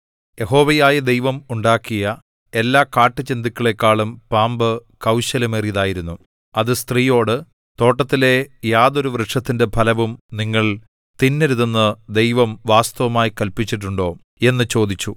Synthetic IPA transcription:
jeɦo̞ːʋɐjaːjɐd̪e̞jʋɐmuɳɖaːkːijɐ | e̞lːaːkaːʈːɨt͡ɕend̪ikʲːɐɭe̞kːaːɭumpaːmbɨkɐwɕɐlɐmeːriðaːjiɾunːu | ɐðɨst̪riːjo̞ːɽɨ | t̪o̞ːʈːɐt̪ːile̞jaːðo̞ɾuʋrɨʈʂɐt̪ːinde̞bʱɐlɐʋumniŋːɐɭ | t̪inːeɾuðɐnːɨd̪e̞jʋɐmʋaːst̪ɐʋɐmaːjikɐlpit͡ɕːiʈːuɳɖo̞ː | e̞nːɨt͡ɕo̞ːd̪it͡ɕːu

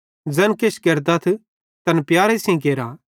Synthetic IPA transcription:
d͡zɛnket͡ʃkeɾd̪at̪ʰ | t̪ɐnpjaːɾesĩk̬eːɾa

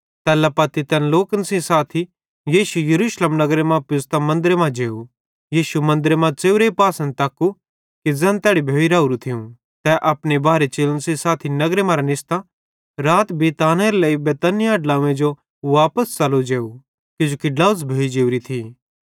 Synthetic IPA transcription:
t̪ɛːlapɐt̪it̪ɛːnloːkənsĩsaːt̪ʰi | jiːʃujɐɾuːʃlemnɐɡɾemãpɪst̪amɐ̃nd̪ɾemãd͡ʒeːu | jiːʃumɐ̃nd̪ɾemãt͡ʃeːuɾeipaːsə̃nd̪̚t̪ɐkːu | kid͡zɛ̃nt̪ɛːɽibʱoːiɾaːuɾut̪ʰɪũ | t̪ɛʔɐpɽebaːɾet͡ʃeːlənsĩsaːt̪ʰinɐɡɾemãɾanɪst̪ã | ɾaːt̪bʱiːt̪aːnɛɾeleːibɛːt̪ɐnɪjaɖlaːũẽd͡ʒo | ʋaːpəst͡ʃɐlod͡ʒeːu | kɪd͡ʒoːkiɖlaːʊs̬bʱeːid͡ʒeːuɾit̪ʰiː

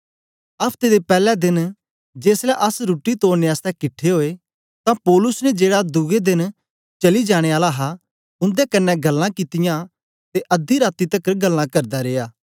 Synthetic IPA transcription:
ɐpʰt̪eːd̪epɛːlɛd̪ɪn | d͡ʒeːslɛʔɐsɾuːʈːit̪oːɾneaːst̪ɛkɪʈʰːeɦoːe | t̪ãpɔːlʊsnɛd͡ʒeːɽad̪ʊɡed̪ɪn | t͡ʃɐlid͡ʒaːɽ̃eaːlaɦa | ʊ̃nd̪ekɐnːɛɡɐlːãkit̪ɪjã | t̪eʔɐd̪iɾaːt̪it̪ɐkɾɡɐlːãkɐɾd̪aɾeːaː

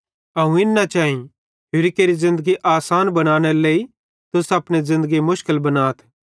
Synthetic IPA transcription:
ɐũɪnːat͡ʃaːĩ | ɦʊɾɪkeːɾizɪ̃nd̪əɡiʔaːsaːnbɐɽ̃aːɽ̃eɾleːi | t̪ʊsɐpɽ̃ezɪ̃nd̪əɡimʊʃkəlbɐnaːt̪ʰ

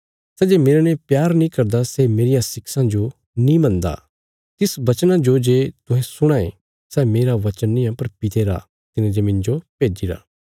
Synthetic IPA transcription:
sɛːd͡ʒemeːɾanɛpjaːɾnĩkɐɾd̪asemeːɾɪjãsɪksãd͡ʒo | nĩmɐ̃nd̪a̰ | t̪ɪsbɐt͡ʃnãd͡ʒod͡ʒeːt̪ʊɦɛ̃sʊɽ̃aːḛ | sɛmeːɾaʋɐt͡ʃənːɪ̃jãpɐɾpɪt̪ʰeːɾa̰ | t̪ɪnẽd͡ʒemɪ̃nd͡ʒopeːd͡ʒiɾa̰ː

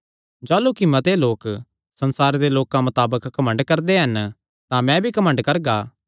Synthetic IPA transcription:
d͡ʒaːlukimɐt̪eloːk | sɐ̃nsaːɾed̪eloːkãmɐt̪aːbəkːɐmə̃ɳɖkɐɾd̪eɦɐn | t̪ãmɛ̃bʱikɐmə̃ɳɖkɐɾɡaː

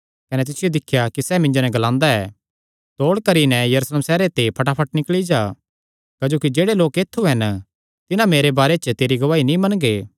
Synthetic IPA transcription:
kɐnɛt̪̬ɪsɪjod̪ɪkʰːjakisɛmɪ̃ɲd͡ʒonɛ̃ɡɐlãːnd̪aɛː | t̪oːɽkɐɾinɛjɐɾuːsleːmsɛːɾet̪epʰɐʈapʰɐʈnɪkɭid͡ʒaː | kaːd͡ʒoːkid͡ʒeːɽeloːkeːt̪ʰːuɦɛn | t̪ɪnãmeːɾebaːɾet͡ʃət̪eːɾiɡɐʋaːinĩmɐnɡeː

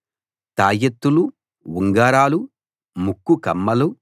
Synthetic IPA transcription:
t̪aːjɐt̪ːulu | wuŋɡaːɾaːlu | mukːukɐmːɐlu

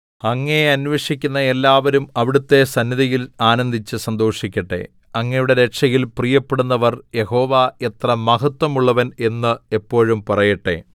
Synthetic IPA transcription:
ɐŋːɐeɐnʋeʂikʲːunːɐe̞lːaːʋɐɾumɐʋiɽut̪ːe̞sɐnːiðɐjilaːnɐnd̪ʱit͡ɕːɨsɐnd̪o̞ːʂikʲːɐʈːe̞̰ | ɐŋːɐjuɽe̞ɾe̞kʂɐjilprijɐpːeɽunːɐʋɐrje̞ho̞ːʋaet̪rɐmɐɦɐt̪wɐmuɭːɐʋɐne̞nːɨe̞pːo̞ːɻumpɐrɐjɐʈːe̞̰

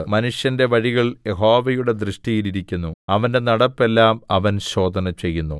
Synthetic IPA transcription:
mɐnuʂjɐnde̞ʋɐɻiɣɐɭjeɦo̞ːʋɐjuɽe̞d̪rɨʂʈijiliɾikʲːunːuɐʋɐnde̞nɐɽɐpːe̞lːaːmɐʋɐnɕo̞ːd̪ʱɐnɐt͡ɕe̞jːunːu

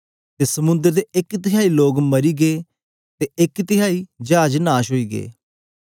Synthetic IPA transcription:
t̪eːsəmʊ̃nd̪əɾt̪eɪkt̪ɪɦaːiːloːɡməɾiːɡeː | t̪eːɪkt̪ɪjaːiːd͡ʒaːd͡ʒnaːʃɦoːiːɡḛː

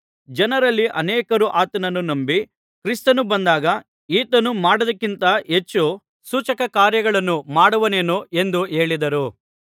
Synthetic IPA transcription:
d͡ʒɐnɐɾɐlːiʔɐnɛːkɐɾuʔaːt̪ɐnɐnːunɐmbi | kɾist̪ɐnubɐnd̪aːɡɐ | iːt̪ɐnumaːɽud̪ɐkːint̪ɐɦet͡ʃːu | suːt͡ʃɐkɐkaːɾjɐɡɐɭɐnːumaːɽuʋɐneːnoe̞nd̪ue̞ːɭid̪ɐɾu

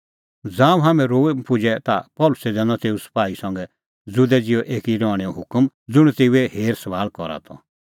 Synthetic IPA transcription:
d͡zãːũɦamɛ̃ɾoːepʊd͡ʒɛt̪a̰pɔːlʊsɛd͡zɛːnɔ̃t̪eːusɐ̥paːisɔ̃ŋɡɛ | d͡zʊd̪ɛd͡zɪɔʔeːkiɾɔːɽ̃ɛɔɦʊkəm | d͡zʊɽ̃ut̪eːuɛheːɾsɐʋaːlkɔɾa̰t̪ʰɔ̰

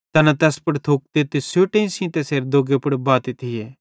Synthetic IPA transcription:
t̪ɐnat̪ɛːspɐɽt̪ʰoːk̚t̪et̪esjoːʈeĩsĩt̪ɛseːɾd̪oːɡepɐɽbaːt̪it̪ʰijɛː

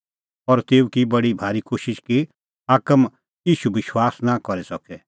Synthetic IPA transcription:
ɔːɾt̪eːukibɐɽibʱaːɾikoːʃɪʃki | aːkəm | jiːʃubɪʃwaːsnakɔɾɛsɔkɛ

